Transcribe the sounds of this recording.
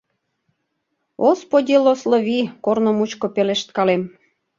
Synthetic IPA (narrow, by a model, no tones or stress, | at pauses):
ɣospodʲilosloβikornomut͡ɕkopeleʃt̪kɑlem